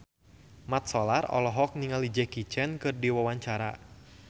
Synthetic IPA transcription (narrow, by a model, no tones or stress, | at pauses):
mat̪̚sɔlarɔ̰lɔɦɔk̚niŋalid͡ʒɛkit͡ʃɛnkɨrdiwawaɲt͡ʃaɾa̰